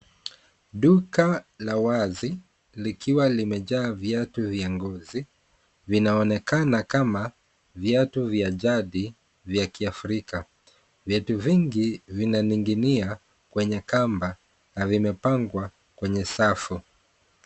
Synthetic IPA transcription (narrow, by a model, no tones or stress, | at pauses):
ɗukalawazi | likʰiwalimɛʄaːvjatuviaŋɡɔzi | vinaɔnɛkanakama | vjatuvjaʄaɗi | vjakiafɾika | vjɛtuviŋɡivinaniŋɡinia | kwɛɲɛkamba | navimɛpaŋɡwa | kwɛɲɛsafu